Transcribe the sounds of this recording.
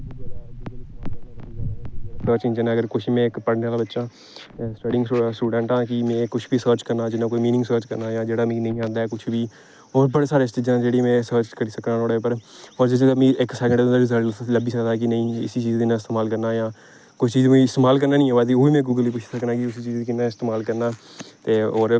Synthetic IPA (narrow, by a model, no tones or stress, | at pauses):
səːɾt͡ʃɪ̃nd͡ʒənãːɡəɾkʊt͡ʃʰːmɛ̃ːɪkpəɽneːaːlaːbətːʃãː | sʈəɖɪ̃ŋɡɽasuːɖə̃ːɳʈãːkɪmɛ̃ːkʊt͡ʃʰbiːsəːɾt͡ʃkəɾnaːd͡ʒɪnãːkoːiːmiːnɪ̃ŋɡsəːɾt͡ʃkəɾnaːjãːd͡ʒeːɽaːmĩːnəĩːãːnd̪aːɛːkʊt͡ʃʰbiː | ɔːɾbəɽeːsaːɾeːst͡ʃiːd͡ʒãːd͡ʒeːɽemɛ̃ːsəːɾt͡ʃkəɽiːsəknaːlɔːɽeːpəɾɔːɾd͡ʒɪseəmĩːʔɪksɛːkə̃ɳɖd̪̃ːd̪ːɖɪzələbiːsəd̪aːk̬ɪnəĩːɪsiːt͡ʃiːzd̪ɪnãːɪst̪eːmaːlkəɾnaːjãː | kʊit͡ʃiːzmuĩɪst̪eːmaːlk̬əɾnaːnĩːaʋaːt̪ioːʋiːmɛ̃ːɡuːɡəliːkʊt͡ʃʰsəknaːkɪʊsiːt͡ʃiːzd̪iːkɪnãːɪst̪eːmaːlkəɾnaː | t̪eːoːɾ